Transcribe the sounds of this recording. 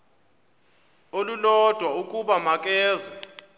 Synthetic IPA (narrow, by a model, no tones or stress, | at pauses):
olulɔd̥ʱwaukʼuɓamak̬ʼɛːza